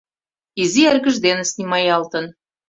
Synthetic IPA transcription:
izierɣə̆ʒd̪enə̆snimɑjɑlt̪ə̆n

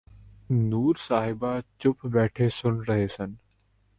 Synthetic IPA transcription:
nuːɾsaːɦɪbat͡ʃʊpbɛːʈʰesʊnɾəɦeːsən

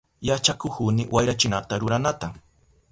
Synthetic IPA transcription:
jat͡ʃakʊkunɪwajɾat͡ʃɪnat̪aɾʊɾanat̪a

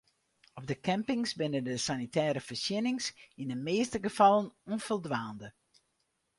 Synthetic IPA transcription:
ɔb̚dəkʰɛmpɪŋsbɪnəndəsanitɛːɾəfərsjɪnɪŋsindəmeːstəɡəfɑlˠənonfəlˠdʋaːndə

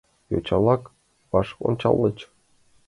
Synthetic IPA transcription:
jo̰t͡ɕɑlˠɑk | pɑʂo̰nt͡ɕɑ̰lˠːɤt͡ɕ

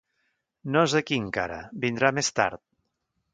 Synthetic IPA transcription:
nozəkiŋka̰ɾə̰bind̪ɾamest̪a̰ɾt̪̚

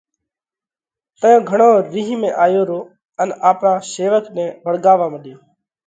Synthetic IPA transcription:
t̪əjõːɡʱəɳoːɾiːɦmẽːʔaːjoːɾoː | ənaːpɳãːseːʋət̪nẽːbʱəɽɠaːʋaːməɗjoː

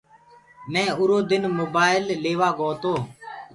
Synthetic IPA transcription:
mɛ̃ːʊɾoːd̪ɪnmoːbaːɪlːeːʋaːɡoːt̪oː

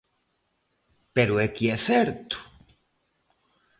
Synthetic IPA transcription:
peɾuekieθeɾt̪u̥

